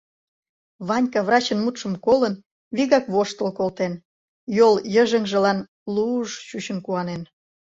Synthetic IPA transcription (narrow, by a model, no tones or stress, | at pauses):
βɑnʲkɑβrɑt͡ɕənmut̪ʃə̆mkolən | βiɣɑkβoʃt̪ə̆lkolt̪en | joljəʒəŋʒə̆lɑn | luʃt͡ɕut͡ɕə̆nkuɑnen